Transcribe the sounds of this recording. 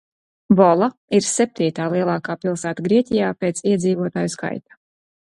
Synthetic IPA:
bɔlˠaiɾsɛp̚t̪iːt̪aːlˠiɛlˠaːkaːpilˠsæːt̪aɡɾiɛt̪ʲijaːpeːt̪siɛd̪ziːvuɔt̪aːjuska̰jt̪ḁ

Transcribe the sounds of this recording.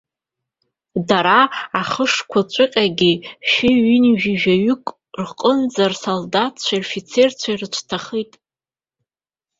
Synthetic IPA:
daɾaaχəʂkʷʰat͡ʃʷʼɨqʲʼaɡʲiʃɪɥinʒᶣiʒᶣaɥʏkʼ | rqʼənd͡zarsoldatʰt͡ɕʷʰairfit͡sʰe̞rt͡ɕʷʰairɨt͡ʃʷʰtʰaχijtʼ

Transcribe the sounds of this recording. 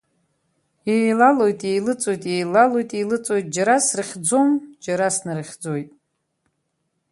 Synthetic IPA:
jejlalo̞jtʼejlɨt͡sʼojtʼjejlalo̞jtʼejlɨt͡sʼo̞jtʼd͡ʒaɾasrɨχʲd͡zo̞md͡ʒaɾasnɨrχʲd͡zojtʼ

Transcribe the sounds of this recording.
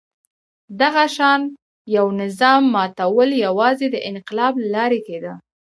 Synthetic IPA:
d̪aɣaʃɑn | jawnɪzɑmːɑt̪awəljawɑzed̪əʔɪnqɪlɑblalɑɾeked̪ə

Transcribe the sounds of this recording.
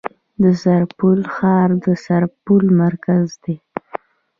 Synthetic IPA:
d̪əsaɾpulxɑɾd̪əsaɾpulmaɾkazd̪e

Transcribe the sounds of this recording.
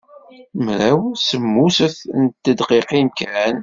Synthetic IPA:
mɾæwsəmːusəθnt̪ːəd̪qiqinkɾæn

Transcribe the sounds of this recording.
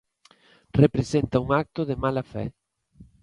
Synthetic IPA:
repɾesent̪ɐuŋak̚t̪oðemalafɛ̰

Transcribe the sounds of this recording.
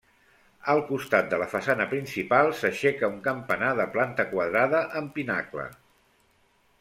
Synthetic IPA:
əlˠkust̪at̪̚d̪ələfəsanəpɾinsipalˠsəʃɛkəuŋkəmpənaðəplant̪əkwəðɾaðəʔəmpinaklə̰

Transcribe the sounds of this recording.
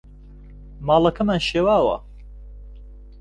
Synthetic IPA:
maːlɐkʰɐmaːnʃeːwaːwɐ̰

